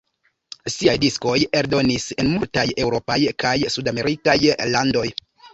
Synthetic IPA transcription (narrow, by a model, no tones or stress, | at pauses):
siajdisko̞je̞ɾdo̞nise̞nmultaje̞wɾo̞pajkajsudame̞ɾikajlando̞j